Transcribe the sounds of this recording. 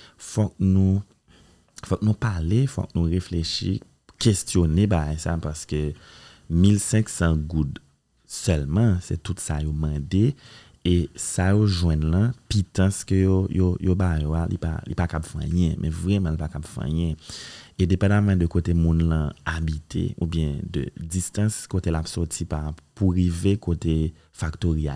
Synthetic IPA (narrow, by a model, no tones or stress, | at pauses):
fɔk̚nũ | fɔk̚nũpalefɔ̰k̚nũʁefleʃḭ | kʰestjonebaɡajsapaʁsə̥kø | milsɛ̃ksãɡud̪ | sœlmãsɛ̰tutsajomãd̪e | esajoʒwɛ̃nlãpit̪ɐ̃skəjojojobajoalḭpa̰lḭpakapfã̰jɛ̃mʔɛ̰̃vʁɛmãlipakapvã̰jɛ̃ed̪epɑ̃d̪amãd̪əkot̪emũnlãabit̪ʰḛṵbjɛ̃d̪ə̰d͡zist̪ãskot̪elapsɔtipapuʁivekot̪e | fakt̪oʁia